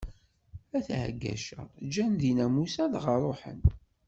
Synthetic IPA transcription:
æθʕ̰ɡːæ̰ʃə̰d͡ʒænðinæmusæðʁəɾˤoħə̰n

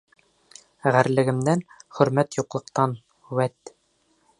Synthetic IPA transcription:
ʁæɾlɘ̆ɡɘ̆md̪ænχɵ̆ɾmæt̪juqlˠɤ̆qt̪ɑn | wæt̪

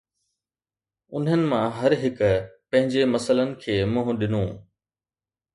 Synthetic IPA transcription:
ʊnɦənɪ̆mãɦɐɾɦɪkʊpɐ̃ɦɪ̃ɲd͡ʑemɐsələnɪ̆kʰeːmʊ̃ːɦʊ̃ɗɪnũː

